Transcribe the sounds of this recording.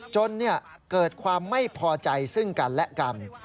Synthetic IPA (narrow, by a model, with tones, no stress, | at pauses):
t͡ɕo˧nːɯ˥˩ɐ | kɤː˨˩t̪̚kʰwaː˧mːa˥˩jpʰɔː˧t͡ɕa˧jsɯ˥˩ŋka˧nlɛ˦˥ʔka˧n